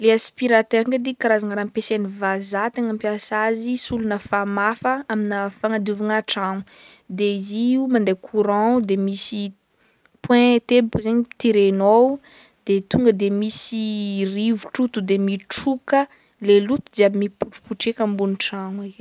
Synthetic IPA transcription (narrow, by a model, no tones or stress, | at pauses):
leaspiɾat̪eɾaŋkad̪ikaɾazaŋəɾampesenivazat̪eŋampjasazisulunəfamafəaminəfaŋad̪uvaŋaʈ͡ʂaŋu | d̪eziumand̪ejkʰuɾãd̪emisi | pwɛ̃t̪ebukuzaɲit̪iɾeno | d̪̥et̪uŋɡəd̪emisirivuʈ͡ʂut̪ud̪emiʈ͡ʂukə | lelut̪uzabimipuʈ͡ʂu̥puʈ͡ʂekəmbuniʈ͡ʂaŋeke